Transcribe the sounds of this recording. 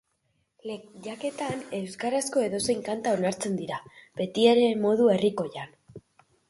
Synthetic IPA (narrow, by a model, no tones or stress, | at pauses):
leʝake̞t̪ane̞wskaɾasko̞e̞ðo̞se̞jŋkant̪ao̞naɾt͡se̞nd̪iɾabe̞t̪ieɾe̞mo̞ðue̞riko̞jan